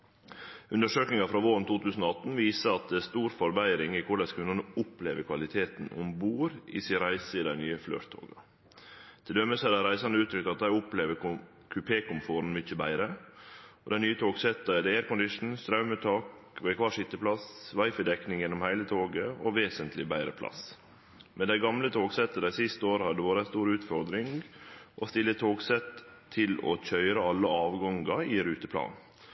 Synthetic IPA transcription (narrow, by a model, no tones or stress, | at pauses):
ʉnd̪əʂøːknɪŋɑfɾɑːʋoːɾənt̪ʰuːt̪ʰʉːsən̩oɑt̪n̩ʋiːsəɑt̪̚ɛst̪uːɾfɔɾbæɪɾɪŋɪkʰʊlɛskʰʋʉnnəʊpleːʋəɾkʰʋɑlɪt̪ʰeːt̪n̩ʔʊ̰mbuːɾɪ̰sɪɾæɪsəɪd̪æɪnyːəflø̰ːɾt̪ʰo̰ːɡɑ | t̪ʰɪld̪œməsɑd̪æɾæɪsɑnəʉːt̪ʰɾʏk̚t̪ɑt̪̚d̪æɪʊpleːʋə | kʰʉpʰeːkʊmfoːɾn̩mʏçəbæ̰ɪɾə | ɔd̪ɛɪnyːət̪ʰoːɡsɛt̪ːɑɛd̪eːæɾkʊnd̪ɪʂn̩st̪ɾɑʉmət̪ʰɑːkʋɛkʰʋɑːʂɪt̪ːəpʰlɑsʋɑɪfəd̪ɛknɪŋjɛnːɔmhæɪlət̪ʰoːɡəɔʋeːsənt̪ʰlɪbæɪɾə̰pʰlɑ̰s | mɛnd̪æɪɡɑmlət̪ʰoːɡsɛt̪ːəd̪æɪsɪst̪əoːɾəhɑd̪əʋoːɾæst̪uːɾʉːt̪fɔɾd̪ɾɪŋɡʔɔst̪ɪlːət̪ʰoːɡsɛt̪ʰː | ɪlɔ̰c͡çœʏɾɑɑlːəɑːʋɡɑŋɡɑɪɾʉːt̪əpʰlɑ̰ːn